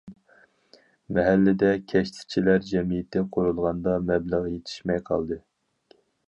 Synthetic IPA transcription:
mɛɦælːɪd̪ɛkʲʰɛʃt̪ʰɪ̥t͡ʃʰilæɾd͡ʒɛmijɪt̪ʰːɪqʰoɾulˠʁɑnd̪ɑmɛblæʁjet̪ʰɪ̥ʃmɛjqʰɑ̰lˠd̪ɨ

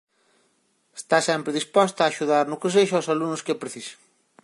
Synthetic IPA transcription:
e̥st̪asɛmpɾɪðispɔst̪aːʃuðaɾnʊkɪs̬eʃʊawsalunʊskɪpɾeθise̥ŋ

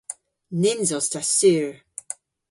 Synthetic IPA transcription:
nɪnzɔstʰasyɹ

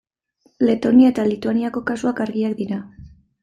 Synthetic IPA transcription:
le̞t̪o̞niae̞t̪alit̪uaniako̞kasuakaɾɣiakd̪iɾa

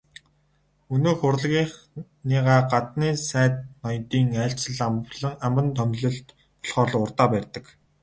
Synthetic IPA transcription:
ɵnoːxʊrɮɣiːχ | niːʁaːɢat̪niːsæːt̪̚nɔjt̪iːŋæːɬt͡sə̆ɮampɮə̆ŋampə̆nt̪ʰœmɮɘ̆ɬt̪ | pɔ̥ɮχɔːɮʊrt̪aːpærʲt̪ə̆k

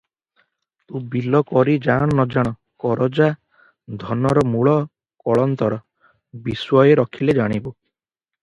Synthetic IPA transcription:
t̪ũbilɔkɔɾid͡ʒaɽ̃ɔnɔd͡ʒaɽ̃ɔ | kɔɾɔd͡ʒa | d̪ʱɔnɔɾɔmuɭɔ | kɔɭɔnt̪ɔɾɔ | biswɔjeɾɔkʰiled͡ʒaɽ̃ibu

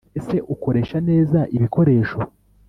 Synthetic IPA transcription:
ese̞ʔuko̞ɾe̞ːʃane̞ːzaʔiβiko̞ɾe̞ːʃo̞

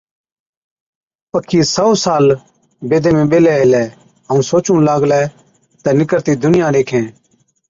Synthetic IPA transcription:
pəkʰːiːsəosaːl | beːd̪ʱeːmẽːɓeːlɛːɦɪlɛː | əũːsoːt͡ʃũːlaːɡlɛː | t̪ɛːnɪkəɾt̪iːd̪ʊnɪjãːɾeːkʰẽː

